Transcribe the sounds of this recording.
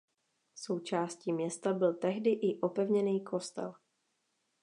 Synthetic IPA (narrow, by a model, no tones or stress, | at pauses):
so̞wt͡ʃaːsciːmɲɛst̪abɪlt̪ɛɦdɪʔɪʔo̞pɛvɲɛniːkʰo̞st̪ɛ̰l